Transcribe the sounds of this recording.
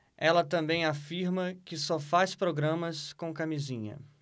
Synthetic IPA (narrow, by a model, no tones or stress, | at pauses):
ɛlɐt̪ɐ̃mbẽj̃afiɾmɐkɪsɔfajspɾoɡɾɐ̃mɐskõw̃kamizĩɲɐ̰